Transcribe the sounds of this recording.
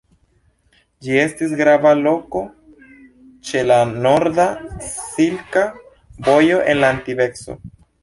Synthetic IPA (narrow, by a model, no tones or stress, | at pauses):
d͡ʒie̞stis̬ɡɾavalo̞ko̞ | t͡ʃe̞lano̞ɾdasilka | vo̞jo̞ʔe̞nlaːntive̞kso̞̰